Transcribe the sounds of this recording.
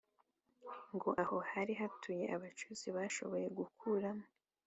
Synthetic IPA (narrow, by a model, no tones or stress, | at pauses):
ŋɡo̞ʔaho̞haɾiɦatʰuje̞̰ʔaβat͡ʃuziβaʃo̞̰βo̞je̞ɡukʰuɾamo